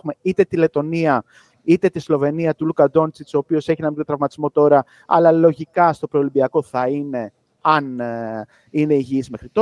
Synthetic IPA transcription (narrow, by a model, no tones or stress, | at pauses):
xume̞it̪e̞t̪ile̞t̪o̞niɐ | it̪et̪islo̞ve̞niɐt̪ulukɐd̪o̞nt͡sit̪i̥so̞pio̞se̞çinɐmĩt̪ɾɐvmɐt̪izmo̞t̪o̞ɾɐ | ɐ̰lɐlo̞ʝikɐst̪o̞pɾolimbiɐko̞θɐine̞ | ɐn | ine̞iʝiizme̞xɾit̪o